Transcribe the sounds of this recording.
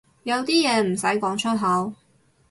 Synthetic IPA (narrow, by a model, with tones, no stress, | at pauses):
jɐ˨˧wt̪iː˥jɛː˨˧m̩˨˩sɐ˨˥jkɔː˨˥ŋt͡ʃʰɵ˥t̚ɦɐ˨˥w